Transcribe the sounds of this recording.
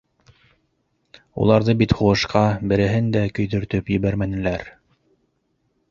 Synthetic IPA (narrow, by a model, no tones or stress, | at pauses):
ṵlˠɑɾðɤbit̪huɤ̆ʃqɑbɘ̆ɾɘ̆ɦɘnd̪ækɵ̆jðɵ̆ɾt̪ɵpjɵ̆βæɾmænɘ̆læɾ